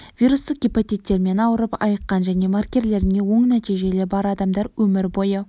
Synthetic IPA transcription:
v̥ʲiɾust̪əq̚ɡʲipat̪it̪ːe̞ɾme̞nɑwəɾəpɑ̰jəqːɑnʒæne̞markʲe̞ɾle̞ɾɪne̞wo̞ɴnæt̪iʒe̞lebɑɾɑd̪ɑmd̪ɑɾwɵmɪɾbo̞jə

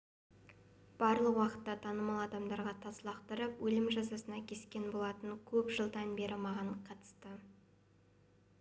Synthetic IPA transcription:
b̥ɑɾlˠəqwɑqə̥t̪ːɑt̪ʰɑnəmɑlˠɑd̪ɑmd̪ɑɾʁɑt̪ʰɑslˠɑqt̪əɾəpwɵlɪmʒɑzɑsənɑkʲʰe̞skʲe̞nbo̞lˠɑt̪əŋkʲʰɵpʒəlˠd̪ɑnbe̞ɾɪmɑʁɑɴqʰɑt̪ə̥st̪ə

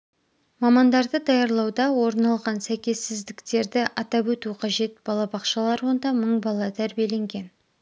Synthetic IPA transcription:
mɑmɑnd̪ɑɾd̪əd̪ɑjɑɾlˠɑwd̪ɑwo̞ɾnɑlˠʁɑnsæjkʲe̞sːɪzd̪ɪkt̪e̞ɾd̪ɪʔɑt̪ɑpwɵt̪uqʰɑʒe̞t̪̚bɑlˠɑbɑqʃɑlˠɑɾwo̞nd̪ɑməɴbɑlˠɑt̪ʰæɾbije̞le̞ŋɡʲe̞n

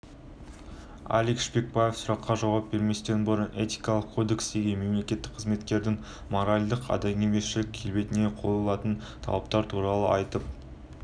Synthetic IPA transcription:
a̰likʃbe̞k̚baje̞fsʊɾɑqːɑʒɑwɑp̚be̞ɾme̞st̪enbʊɾənʔe̞t̪i̥kɑlˠəqkʰod̪e̞ksd̪e̞ɡʲe̞nme̞mle̞kʲe̞t̪ːɪ̥k̚qʰəzme̞t̪kʲe̞ɾd̪ɪŋ | mo̞ɾalʲd̪əqɑ̰d̪ɑjnemesʃɪlɪkʲʰe̞lbe̞t̪ɪne̞qʰo̞jəlˠɑt̪ən | t̪ʰɑ̰lˠɑp̚t̪ɑɾt̪ʰuɾɑlˠəʔɑjt̪əp̚

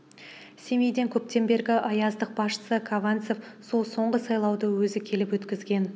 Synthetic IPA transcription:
se̞me̞jd̪e̞ŋkʲʰɵp̚t̪e̞mbe̞ɾɡʲɪʔɑjɑzd̪əq̚bɑsʃə̥səkʰavant̪sefso̞lˠso̞ɴʁəsɑjlˠɑwd̪əwɵzɪkʲʰe̞lɪpwɵt̪kʲɪzɡʲe̞n

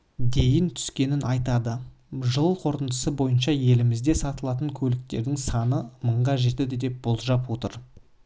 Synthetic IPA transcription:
d̪e̞jɪnt̪ʰʏ̥skʲe̞nɪnɑjt̪ɑd̪ə | ʒəlˠqʰo̞ɾt̪ənd̪t̪ə̥səbo̞jənʃɑje̞lɪmɪzd̪e̞sɑt̪əlˠɑt̪̬əŋkʲʰɵlɪk̚t̪e̞ɾd̪ɪŋsɑnəməɴʁɑʒe̞t̪ɪd̪ɪd̪e̞p̚b̥ʊlˠʒɑpwot̪ə̰ɾ

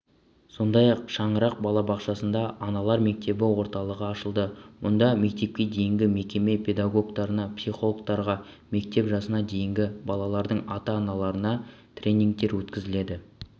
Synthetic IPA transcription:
so̞nd̪ɑjɑqʃɑɴəɾɑq̚bɑlˠɑbɑqʃɑsənd̪ɑɑnɑlˠɑɾme̞k̚t̪e̞bɪwo̞ɾt̪ɑlˠəʁəɑʃəlˠd̪əwo̞nd̪ɑme̞k̚t̪e̞p̚kʲe̞d̪e̞jɪŋɡʲɪmekʲe̞me̞pʰe̞d̪aɡo̞kt̪ɑɾənɑpsijχo̞lˠok̚t̪ɑɾʁɑ | me̞k̚t̪e̞pʒɑsənɑd̪e̞jɪŋɡʲɪbɑlˠɑlˠɑɾd̪əɴɑt̪ɑːnɑlˠɑɾənɑt̪ʰrʲe̞nʲiŋk̚t̪e̞ɾwɵt̪kʲɪzɪle̞d̪ɪ

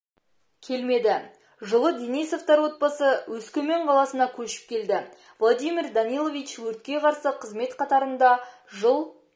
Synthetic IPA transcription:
kʲʰe̞lme̞d̪ɪ | ʒəlˠəd̪enijso̞ft̪ɑɾwo̞t̪̚bɑsəwɵskʲɵme̞ɴqʰɑlˠɑsənɑkʲʰɵʃɪ̥p̚kʲe̞ld̪ɪ | vlˠod̪ijmʲird̪ɑnijlˠo̞vʲijt͡ʃwɵɾt̪̚kʲe̞qʰɑɾsəqʰəzme̞t̪qʰɑt̪ɑɾənd̪ɑ | ʒəlˠ

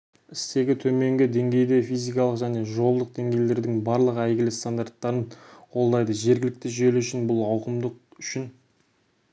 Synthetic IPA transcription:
ɪst̪e̞ɡʲɪt̪ʰɵme̞ŋɡʲɪd̪e̞ŋɡʲe̞jd̪e̞fʲijzijkɑlˠəqʒæne̞ʒo̞lˠd̪əq̚d̪e̞ŋɡʲe̞jle̞ɾd̪ɪŋbɑɾlˠəqæjɡʲɪlɪst̪and̪art̪ːɑɾənwo̞lˠd̪ɑjd̪əʒe̞ɾɡʲɪlɪk̚t̪ɪʒeluʏʃɪnbʊlˠɑwqəmd̪əq̚ʏʃɪn

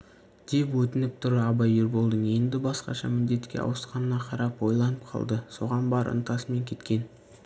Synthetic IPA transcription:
d̪̥e̞pwɵt̪ɪnɪp̚t̪ʰʊɾɑbɑjeɾbo̞lˠd̪əɴe̞nd̪ɪbɑsqɑ̰ʃɑ̰mɪnd̪e̞t̪kʲe̞̰ɑ̰wəsqɑnənɑqʰɑɾɑpwo̞jlˠɑnəp̚qʰɑ̰lˠd̪əso̞̰ʁɑnbɑɾʔə̰nt̪ɑsəme̞ŋkʲʰe̞t̪kʲe̞n

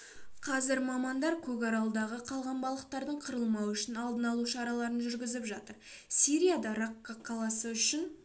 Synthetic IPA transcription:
qʰɑzɪɾmɑmɑnd̪ɑɾkʲʰɵkɑɾɑlˠd̪ɑʁəqʰɑlˠʁɑnbɑlˠəqt̪ɑɾd̪əɴqʰəɾəlˠmɑwʏʃɪnɑlˠd̪ənɑlˠuʃɑɾɑlˠɑɾənʒʏɾɡʲɪzɪpʒɑt̪əɾsiɾʲijad̪ɑɾɑkːaqʰɑlˠɑsəʏʃɪn

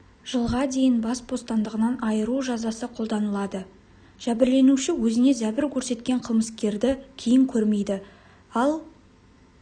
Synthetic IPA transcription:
ʒ̥əlˠʁɑd̪e̞jɪnbɑsbo̞st̪ɑnd̪əʁənɑnɑjəɾuʒɑzɑsəqʰo̞lˠd̪ɑnəlˠɑd̪ə | ʒ̥æbɪɾle̞nuʃɪwɵzɪne̞zæbɪɾkʲʰɵɾse̞t̪kʲe̞ɴqʰəlˠməskʲe̞ɾd̪ɪkʲʰejɪŋkʲʰɵɾme̞jd̪ɪ | ɑlˠ

